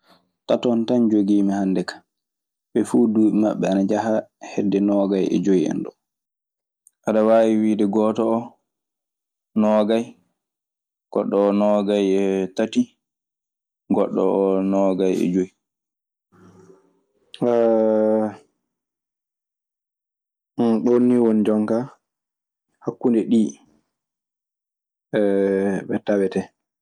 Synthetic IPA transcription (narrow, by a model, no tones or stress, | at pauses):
tatɔntand͡ʒoɡiːmihandɛkḁ | ɓɛfuduːɓɛmaɓːɛanad͡ʒaɦahedːɛnɔɡajʔɛ̰d͡ʒoiɛ̰nɗɔ | ʔaɗawawiwiːdɛɡɔːtɔː | nɔɡaj | ɡ̥ɔɗːɔːnɔɡajɛtati | ɡɔɗːɔ̰ɔnɔɡajɛ̰d͡ʒoji | ɗonːiwond͡ʒɔŋka | hakːundɛɗi | ɛɓɛtawɛtɛ